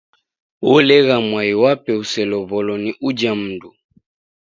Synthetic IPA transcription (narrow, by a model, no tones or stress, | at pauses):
wɔlɛɣamwaiwapɛusɛlɔβɔlɔniʔud͡ʒam̩ndu